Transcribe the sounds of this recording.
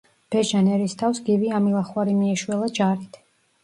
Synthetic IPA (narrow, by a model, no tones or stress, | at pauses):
b̥ɛʒanɛɾist̪ʰafsɡiviamilˠaχwaɾimiɛʃwɛlˠad͡ʒaɾit̪ʰ